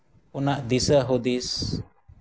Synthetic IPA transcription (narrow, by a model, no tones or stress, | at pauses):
unaʔd̪isəɦud̪is